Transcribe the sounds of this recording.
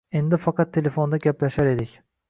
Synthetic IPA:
end̪ɪfɑkʰɑt̪ʰːelʲefond̪ɑɡʲæplʲæʃæɾed̪ikʲ

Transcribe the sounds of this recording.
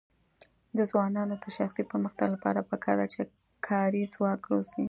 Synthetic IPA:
d̪əzwɑnɑnod̪əʃaxsipəɾməxt̪aɡlapɑ̰ɾapəkʰɑ̰d̪at͡ʃe | kʰɑɾizwɑkɽosi

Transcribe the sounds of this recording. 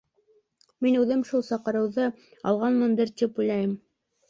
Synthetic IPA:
minʉðɘmʃulˠsɑqɤ̆ɾɤ̆wðɤ | ɑ̰lˠʁɑnmɤnd̪ɘɾt̪ʲipujlæjɘm

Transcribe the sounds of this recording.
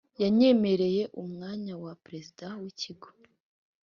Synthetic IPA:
jaɲe̞me̞ɾe̞je̞ʔumŋaːɲawapɾe̞zidawiciɡo̥

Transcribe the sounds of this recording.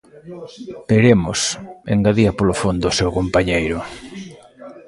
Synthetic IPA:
peɾemʊsḛŋɡaðiɐpolofond̪ʊʊsewkompaɲejɾʊ

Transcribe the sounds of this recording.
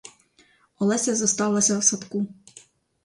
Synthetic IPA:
ɔlˠɛsʲɐzɐst̪ɑʋlˠɐsʲɐwsɐt̪ku

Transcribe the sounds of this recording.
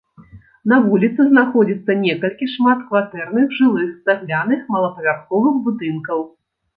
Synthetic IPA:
n̪ɐvulʲit̪sɨznaxɔd͡zʲit̪sːɐnʲɛkɐlʲkʲiʂmat̪kvat̪ɛrn̪ɨxʐɨlˠɨxsaɣlʲanɨxmɐlˠɐpɐvʲarxɔvɨxbud̪ɨnkɐw

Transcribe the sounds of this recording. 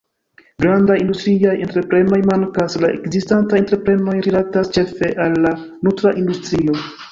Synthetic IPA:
ɡɾandajindustɾiajentɾe̞pɾe̞no̞jmaŋkaslaʔe̞̰kzistantajenteɾepɾe̞no̞jɾilatast͡ʃe̞fe̞ʔalːa | nutɾaʔindustɾio̞

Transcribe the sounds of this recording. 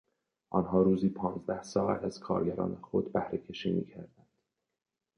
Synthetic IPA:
ʔɒnɦɒːɾuːziːpʰɒːnzd̪æhsɒːæt̪æz̥kʰɒ̰ːɾɡæɾɒ̰ːnexo̞d̪bæhɾecʰe̞ʃiːmḭːcʰæɾd̪ænd̪̥

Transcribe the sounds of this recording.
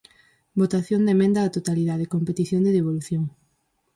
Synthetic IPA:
bot̪aθjond̪emẽnd̪ɐːt̪ot̪aliðaðekompet̪iθjond̪eðeβ̞oluθjoŋ

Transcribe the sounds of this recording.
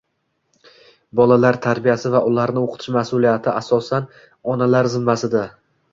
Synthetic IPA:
bɒlalaɾt̪ʰaɾbijasɪvaʔʊlaɾnɪoqʰɨ̥t̪ʰɪʃmasʊlijat̪ʰɪasɒsan | ɒnalaɾzɪmːasɪd̪a

